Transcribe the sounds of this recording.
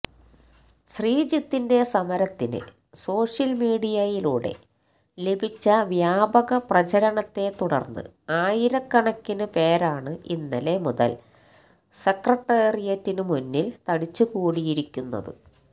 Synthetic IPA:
ɕriːd͡ʑit̪ːinde̞sɐmɐɾɐt̪ːinɨ̰ | so̞ːʂjɐlmiːɽijɐjiluːɽe̞̰ | le̞bʱit͡ɕːɐʋjaːbɐɣɐprɐt͡ɕɐɾɐɳɐt̪ːe̞t̪uɽɐ̰rnːɨ̰ | aːjiɾɐkːɐɳɐkːinɨpe̞ːɾaːɳɨʔinːɐle̞muðɐ̰l | sekrɐʈːeːrijɐtːinɨmunːilt̪ɐɽit͡ɕːukuːɽijiɾikʲːunːɐ̰ðɨ̰

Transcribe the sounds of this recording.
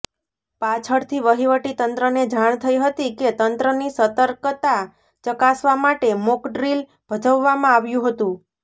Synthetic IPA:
pat͡ʃʰəɽt̪ʰiʋəɦiʋəʈit̪ənt̪ɾəned͡ʒaɳ̃t̪ʰəiɦət̪iket̪ənt̪ɾənisət̪əɾkt̪a | t͡ʃəkasʋamaʈemokɖɾil | b̥ʱəd͡ʒəʋːamãaʋjũɦət̪ũ

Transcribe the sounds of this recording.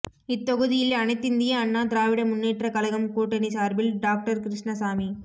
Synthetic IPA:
ɪt̪ːɔɣɯðɪjɪlɐnɐɪt̪ːɪnd̪ɪjɐɐnːaːt̪ɪɾaːʋɪɽɐmʊnːeːʈrɐkɐlɐɣɐmkuːʈːɐnisaːɾbɪlɖaːk̚ʈɐɾkɪɾɪʂɳɐsaːmi

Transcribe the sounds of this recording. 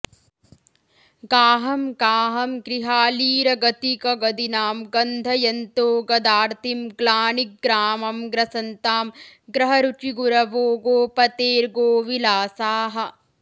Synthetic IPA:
ɡaːɦɐmɡaːɦɐmɡɾiɦaːliːɾɐɡɐt̪ikɐɡɐd̪inaːmɡɐnd̪ʱɐjɐnt̪oːɡɐd̪aːɾt̪ʰimɡlaːnik̚ɡɾaːmɐmɡɾɐsɐnt̪aːmɡɾɐɦɐɾut͡ʃiɡuɾɐʋoːɡoːpɐt̪eːɾɡoːʋilaːsaːɦɐ̆

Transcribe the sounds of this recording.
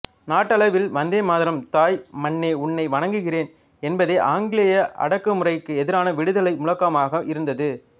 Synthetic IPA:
naːʈːɐɭɐʋɪlʋɐnd̪eːmaːðɪɾɐmt̪aːjmɐɳːeːʊɳːɐɪʋɐɳɐŋɡɯɣɪreːn | ɛnbɐðɐɪʔaːŋɡɪɭɐjɐʔɐ̰ɽɐkːɯmʊrɐɪkːɯɛðɪɾaːnɐʋɪɽɯðɐlɐɪmʊɭɐkːɐmaːɣɐʔɪɾɯnd̪ɐðɯ

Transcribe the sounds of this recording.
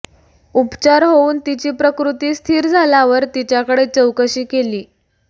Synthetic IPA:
upt͡ɕaɾɦouːnt̪it͡ɕiːpɾəkɾut̪iːst̪ʰiːɾd͡zʱalaʋəɾt̪it͡ɕjakəɽet͡səwkəɕiːkeliː

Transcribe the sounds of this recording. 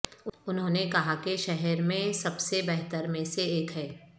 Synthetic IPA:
ʊnɦõːnekɐɦakiʃɛɦɛɾmẽsɐbsebɛɦt̪əɾmẽseeːkɦɛː

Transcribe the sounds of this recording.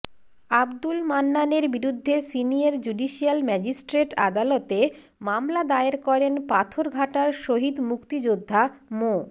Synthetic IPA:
abd̪ulmanːaneɾbiɾud̪ʱːesinijaɾd͡ʑuɖiʃialmɛd͡ʑisʈɾeʈa̰d̪alot̪e | mamlad̪aeɾkɔɾenpat̪ʰoɾɡʱaʈaɾʃoɦid̪mukt̪id͡ʑod̪ʱːamo

